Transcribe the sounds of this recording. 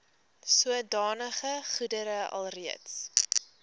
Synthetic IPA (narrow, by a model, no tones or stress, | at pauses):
suədɑːnəχəχudəɾəɐ̰lˠriəts